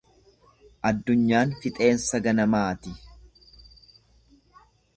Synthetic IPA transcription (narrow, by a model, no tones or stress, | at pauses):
ʔɐd̪ːʊɲːaːnfɪt̪ʼe̞ːnsɐɡɐnɐmaːt̪ɪ